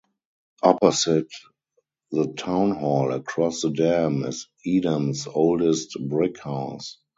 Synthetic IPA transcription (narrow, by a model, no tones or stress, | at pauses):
ʔɔpɔsɪt | ðətʰãʊ̃nhɔləkʰɹɔsðədɛ̃mɪ̰s | iːdə̃nsoʊldɛstbɹɪkhaʊs